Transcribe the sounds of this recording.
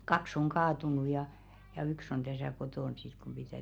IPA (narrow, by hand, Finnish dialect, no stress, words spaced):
kɑks oŋ kɑːtunu jɑ jɑ yks on tæsæˑ kotoˑn sit kum pitæˑ